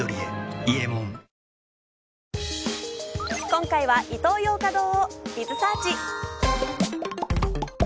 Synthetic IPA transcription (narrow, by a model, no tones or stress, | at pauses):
oɾʲiḛiemõŋ | kõ̞ŋkaiβaʔit̪o̞ːjo̞ːkad̪o̞ːbʲizɨsaːt͡ɕi